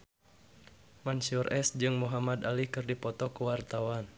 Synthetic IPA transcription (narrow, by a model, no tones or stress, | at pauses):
mansurʔɛsd͡ʒɨŋmuɦamad̪alikɨrdipɔt̪ɔkuwart̪awan